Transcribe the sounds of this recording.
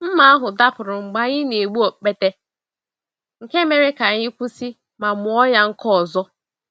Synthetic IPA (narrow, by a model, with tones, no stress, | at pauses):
m̩˦ma˨a˦ɦʊ˨da˦pʊ˨ɾʊ˨ŋ͡m̩˨ɡ͡ba˦ɲɪ˦ne˨ɡ͡bu˦o˨k͡pe˦te˦ | ŋ̩˨ke˦me˨ɾe˦ka˨ɲɪ˦kʷu˦si˦ | ma˨mʊ˨ɔ˦ja˦ŋ̩˦kɔ˦˨zɔ˦